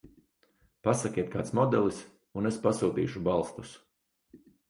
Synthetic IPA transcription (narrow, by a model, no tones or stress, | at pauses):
pasakʲiɛt̪̚kaːt̪smɔd̪ɛlˠis | unespasuːt̪ḭːʃubalˠst̪u̥s